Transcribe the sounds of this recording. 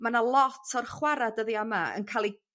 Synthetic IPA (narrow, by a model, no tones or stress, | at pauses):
manalˠɔtʰɔrχwaɾadəðiamaə̰nkʰalˠi